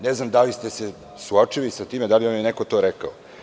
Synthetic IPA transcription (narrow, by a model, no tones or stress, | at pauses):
neznamd̪alist̪ese | suot͡ʂilisat̪iːmed̪aliamjenekot̪o̞ɾeka̰o